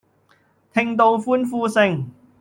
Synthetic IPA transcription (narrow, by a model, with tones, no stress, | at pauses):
t̪ʰɪ˧ŋt̪o˧wfuː˥nfuː˧sɪ˧ŋ